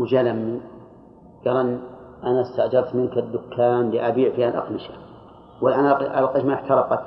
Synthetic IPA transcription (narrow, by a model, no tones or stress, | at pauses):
wd͡ʒalamːi | ɡ̥ɑlˤan | ʔanast̪aʕd͡ʒɑɾˤt̪mɪnkad̪ːʊkʰːaːnliʔabiːʕfiːhalʔɑ̰qnɪʃa | walːʔanʔa̰lqɑʃmaʔɪħt̪ɑɾˤɑqɑt̪